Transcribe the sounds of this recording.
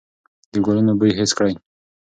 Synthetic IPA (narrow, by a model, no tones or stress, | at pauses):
d̪əɡolunobəjɦeskɽaj